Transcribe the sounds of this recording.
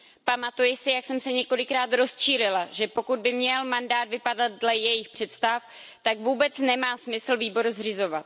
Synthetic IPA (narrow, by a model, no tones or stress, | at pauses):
pamat̪ujɪsɪjaksɛmsɛɲɛko̞lɪkɾaːt̪ɾo̞st͡ʃiːlɪlaʒɛpo̞kud̪̚bɪmɲɛlmandaːd̪vɪpadat̪̚dlɛjɛjɪxpr̝̥ɛt̪st̪af | t̪akvuːbɛt͡snɛmaːsmɪsl̩viːbo̞ɾuzrɪzo̞vat̪